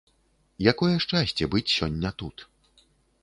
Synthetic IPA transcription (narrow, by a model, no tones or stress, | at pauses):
jakɔjɛʂt͡ʂasʲt͡sʲɛbɨt͡sʲsʲɔnʲːɐt̪ut̪